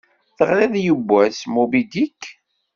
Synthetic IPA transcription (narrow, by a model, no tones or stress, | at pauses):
θəʁɾeðjəbːæsmubid̪ikː